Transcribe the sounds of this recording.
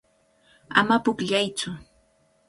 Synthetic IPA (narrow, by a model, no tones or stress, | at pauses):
a̰mapʊkʎajt͡sʊ